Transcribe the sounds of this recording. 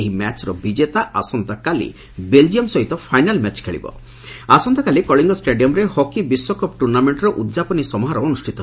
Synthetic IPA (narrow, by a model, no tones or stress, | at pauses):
eɦimɛt͡ʃɾɔbid͡ʒet̪aʔasɔnt̪akalḭ | beld͡ʒiɔmsɔɦit̪ɔpʰajnalmɛt͡ʃkʰeɭḭbɔ̰ | asɔnt̪akalikɔɭiŋɡɔsʈeɖiɔmɾehɔkibiswɔkɔp̚ʈuɾnameɳʈɾɔʔud̪d͡ʒapɔnisɔmɔɦaɾɔonusʈʰit̪ɔɦ